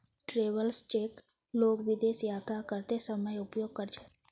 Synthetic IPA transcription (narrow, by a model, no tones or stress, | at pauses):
ʈɾeʋəlst͡ʃeːk | loːkʋɪd̪esjat̪ʰakəɾt̪esəməjʊpjoɡ̚kəɾt͡ʃʰe̥